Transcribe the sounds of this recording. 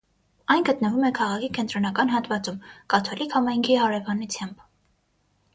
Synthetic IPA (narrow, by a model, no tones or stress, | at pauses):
ɑjnɡət̪nəvumɛkʰɑʁɑkʰikɛnt̪ɾɔnɑkɑnɦɑt̪vɑt͡sumkɑt̪ʰɔlikʰhɑmɑjŋkʰiɦɑɾɛvɑnut͡sʰjɑmb